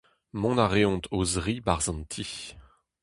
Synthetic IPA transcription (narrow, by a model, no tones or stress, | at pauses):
mɔ̃naʁeɔ̃t̪ʰozʁibaʁzɑ̃nt̪ʰi